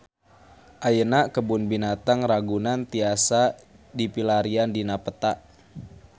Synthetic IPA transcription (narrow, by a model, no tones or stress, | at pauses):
ʔajənaʔkəbʊnbinat̪aŋraɡunant̪iasa | dipilaɾiandinapət̪aʔ